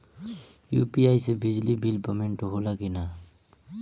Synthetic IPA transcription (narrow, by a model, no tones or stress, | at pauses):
jupiajsɛbizlibilpɔmentʊɦolaɡina